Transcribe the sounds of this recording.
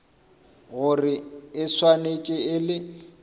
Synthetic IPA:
ɣʊrɪɪswanet͡ʃʼɪɪlɪ

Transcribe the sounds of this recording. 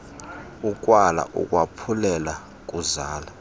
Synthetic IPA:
ukʼwala̰ʔṵkʼwapʰulɛla | k̬ʼuzaːla

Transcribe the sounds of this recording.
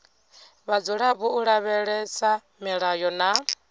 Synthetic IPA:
βad͡zuɺaβuuɺaβɛɺɛsa | mɛɺajɔna

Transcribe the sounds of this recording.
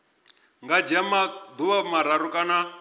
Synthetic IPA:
ŋɡad͡ʒamad̪uwamaɾaɾukʼana

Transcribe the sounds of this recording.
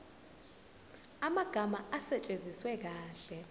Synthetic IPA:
amaɡ̥ʱamaʔasɛt͡ʃʼend͡zʱiswɛk̬aːɬɛ

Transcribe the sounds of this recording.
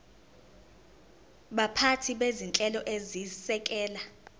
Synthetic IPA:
ɓapʰatʰiɓezint͡ɬʼɛlɔʔezisɛk̬ʼɛːla

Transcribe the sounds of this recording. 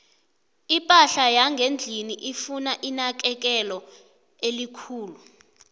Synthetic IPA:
ipʼaɬajaŋɡʱend͡ɮʱiniʔifunaʔinak̬ʼɛk̬ɛlɔ | elikʰuːlu

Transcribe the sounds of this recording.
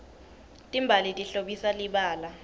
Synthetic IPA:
tʼimbʱalitʼiɬoɓisaliɓaːla

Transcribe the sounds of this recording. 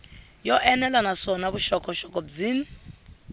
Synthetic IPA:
jɔʔɛnɛlanasɔnaβuʃɔkʰʼɔʃɔkʼɔbd͡zini

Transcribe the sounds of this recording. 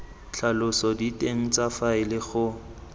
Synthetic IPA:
t͡ɬʰalʊsɔditʼeŋ̩t͡safaɪlɪχʊ

